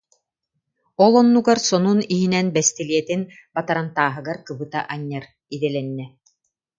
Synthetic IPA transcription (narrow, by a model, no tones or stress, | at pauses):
ɔlˠɔnːuɡaɾsɔnuniɦinɛnbɛst̪iliɛt̪in | bat̪aɾant̪aːɦɯɡaɾkɯbɯt̪aʔaɲːaɾ | id̪ɛlɛnːɛ